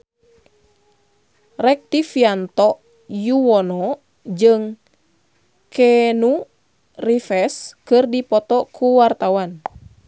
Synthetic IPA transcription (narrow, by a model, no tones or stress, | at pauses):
rɛk̚t̪ifiant̪ɔ | juwɔnɔ | d͡ʒɨŋ | kʰɛnu | rifɛskɨrdipɔt̪ɔkʰuwart̪awan